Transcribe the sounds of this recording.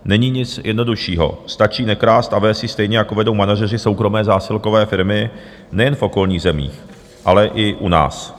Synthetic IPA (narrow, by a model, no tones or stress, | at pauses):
nɛɲiːɲɪt͡sjɛdno̞duʃiːɦo̰st̪at͡ʃiːnɛkɾaːst̪ʔavɛːsjɪst̪ɛjɲɛjakovɛdo̞wmanaʒɛr̝ɪso̞wkɾo̞mɛːzaːsɪlko̞vɛːfɪɾmɪ | nɛjɛnfʔo̞ko̞lɲiːɣzɛmḭːx | ʔalɛʔɪʔuna̰ːs